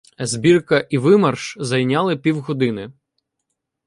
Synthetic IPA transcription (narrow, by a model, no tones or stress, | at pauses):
zbʲirkɐʔiʋɪmɐrʃzɐjnʲɑlˠɪpʲiwɦɔd̪ɪnɪ